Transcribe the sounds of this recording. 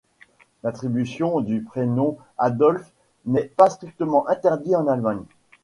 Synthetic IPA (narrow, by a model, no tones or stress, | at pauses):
lat̪χibysjɔ̃d̪ypχenɔ̃ | ad̪ɔlf | nɛpast̪χik̚t̪əmɑ̃ʔɛ̃t̪ɛʁd̪iɑ̃nalmaɲ